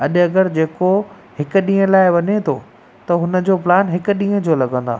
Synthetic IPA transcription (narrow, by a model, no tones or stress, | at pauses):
ɐʄɐɡəɾd͡ʑeːko | hɪkʊ̆ɗĩːə̃laːɪʋɐɲet̪ʰoː | t̪ɐɦʊnə̆d͡ʑoːplaːnɦɪkʊ̆ɗĩːə̃d͡ʑoːlɐɠə̃nd̪a̰ː